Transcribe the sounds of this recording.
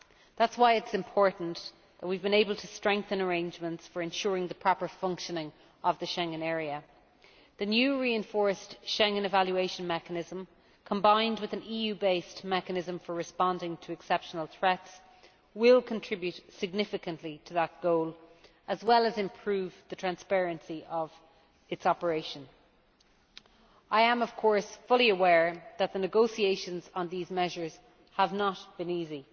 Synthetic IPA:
ðatswaɪɪtsɪ̃mpʰɔɹʔn̩ | ðət̚wivbɨ̃neɪbəlˠtʰəstɹ̥ɛ̃ŋk̚θə̃nə˞ẽɪ̃nd͡ʒmə̃ntsfə˞ɨ̃nʃʊːɹɪ̃ŋðəpʰɹ̥ɑpə˞fʌ̃ŋkʃənɪ̃ŋ | əvðəʃɛ̃ŋə̃nɛːɹiə | ðənjʉɹiɨ̃ɱfɔɹstʃɛ̃ŋə̃nɨvaljueɪʃə̃nmɛkənɪzə̃m | kʰə̃mbãɪ̃ndwɨðə̃nijʉːbeɪstmɛkənɪzə̃ɱfə˞ɹɨspɑ̃ndɪ̃ŋtʰəɛksɛpʃənəl̩ˠθɹɛts | wɪlˠkʰə̃ntʰɹ̥ɪbjʉtsɪɡ̚nɪfɨkə̃nʔlitʰəðət̚ɡ̥oʊl | əzwɛləzɪ̃mpʰɹ̥ʉːvðətʰɹ̥æ̃nspɛɹɨ̃nsiʔʌv | ɪtsɑpə˞eɪʃə̃n | aɪə̃mʌv̥kʰɔɹsfʊlˠiəwɛːɹðət̪̚ðənɨɡoʊsieɪʃə̃nzə̃nðizmɛʒə˞z̥ | həvnət̚b̥ɨ̃niːzi

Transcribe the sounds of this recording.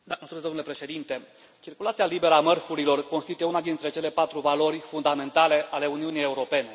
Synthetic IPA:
d̪aməlsumed̪omnule̞pɾe̞ʃe̞d̪int̪e̞ | t͡ʃirkulat̪sialibe̞ɾəamərfuɾilo̞rkonst̪it̪uje̞unad̪int̪ɾe̞t͡ʃe̞le̞pat̪ɾuvalo̞ɾʲfund̪ame̞nt̪ale̞ʔale̞uniunijeuɾo̞pe̞ne̞

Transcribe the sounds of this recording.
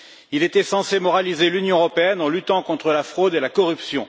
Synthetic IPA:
ilet̪ɛsɑ̃semɔʁalizelynjɔ̃əʁɔpeɛnɑ̃lyt̪ɑ̃kɔ̃t̪χəlafχod̪elakɔʁypsjɔ̃

